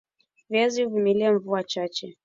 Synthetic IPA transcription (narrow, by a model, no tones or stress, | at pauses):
vjaziuvimiliaɱvuat͡ʃat͡ʃɛ